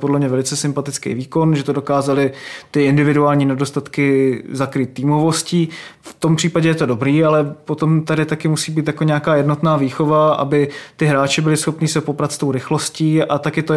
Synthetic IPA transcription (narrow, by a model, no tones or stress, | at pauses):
podlɛmɲɛvɛlɪt͡sɛsɪmpat̪ɪt͡skḛjviːko̞nʒɛt̪odokaːzalɪt̪ɪɪndɪvɪduaːlɲiːnɛdo̞st̪at̪kɪzakɾiːt̪̚ːiːmo̞vo̞sciːft̪o̞mpr̝̥iːpaɟɛjɛt̪o̞do̞bɾiːalɛpo̞t̪o̞mt̪adɪt̪akɪmusiːbiːt̪jako̞ɲɛakaːjɛdno̞t̪naːviːxovaʔa̰bɪt̪ɪɦɾaːt͡ʃɪbɪlɪsxo̞pniːsɛpopɾat̪st̪owɾɪxlosciːat̪akɪt̪o